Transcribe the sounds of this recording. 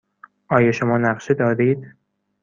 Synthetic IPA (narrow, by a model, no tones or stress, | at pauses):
ʔɒːjɒʃomɒːnæʁʃed̪ɒːɾiːd̪